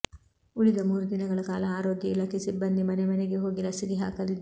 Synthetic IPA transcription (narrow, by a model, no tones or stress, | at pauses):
uɭid̪ɐmuːɾud̪inɐɡɐɭɐkaːlɐaːɾoːɡ̪jɐilaːkesibːɐnd̪imɐnemɐneɡeɦoːɡilɐsiɡiɦa̰ːkɐlid̪ː